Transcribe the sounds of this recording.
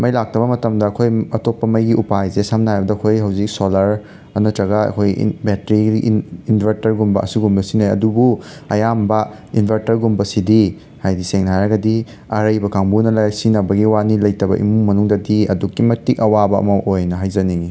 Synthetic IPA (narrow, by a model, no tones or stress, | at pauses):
mɐjlak̚tɐbɐmɐtɐmdɐːkʰojɐtopːɐmɐjɡiʔupajzesamnabɐdɐkʰojɦɐwzik̚solɐɾ | ɐnɐtɾɐɡɐɐ̰kʰoj̰betɾiinbʱɐɾtɐɾɡumbɐʔɐ̰suɡumbɐsinojɐ̰dubuɐjambɐ | inbʱɐɾtɐɾɡumbɐsidi | hajdiseŋnɦajɾɐɡɐdi | ɐɾɐjbɐkʰaŋbunɐlɐsinɐbɐɡiwanilɐjtɐbɐ̰ʔḭmumɐnuŋdɐdiɐdukːimɐtik̚ɐwabɐɐ̰mɐʔojnɐɦajzɐnii